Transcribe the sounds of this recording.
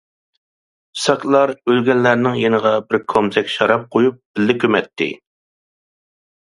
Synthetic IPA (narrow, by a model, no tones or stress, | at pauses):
sɑkʲlˠɑɾølɡʲɛnːæɾnɪŋjenəʁɑbɪɾkʰomzɛkʲʃɑɾɑp̚qʰojup̚b̥ɪlːɪkʲømɛt̪ʰːɪ̰